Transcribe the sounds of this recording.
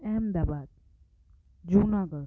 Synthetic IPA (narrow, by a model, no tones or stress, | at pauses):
ɛmd̪aːbaːd̪̚ | d͡ʒuːnãːɡə